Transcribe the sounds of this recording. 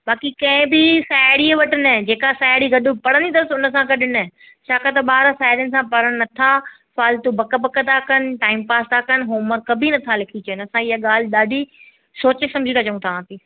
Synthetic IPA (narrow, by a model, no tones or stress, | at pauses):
ɓaːkikɐ̃ɪ̃bɪsaːɪɽiʋɐʈɪnd͡ʑeːkasaːɪɽiɡɐɗʊpɐɽə̃nd̪it̪ɐɾəsʊnəsãkɐɗɪnɪ | ʃʰaːkat̪ɐɓaːɾsaːɦɪɾjənɪ̆s̬ãpɐɾəɽ̃nɐt̪ʰa | saːlt̪ubʱɐkəbɐkət̪ʰakənɪ̆ʈaːɪmpaːst̪ʰakɐnɦoːmə̃kɐbʱinɐt̪ʰalɪkʰit͡ɕɐɪnɐsãɪɦaɠaːl̤ɪɗaːɖʱi | soːt͡ɕesɐ̃md͡ʑʱit̪ʰaːt͡ɕɐũt̪ʰaãːt̪iː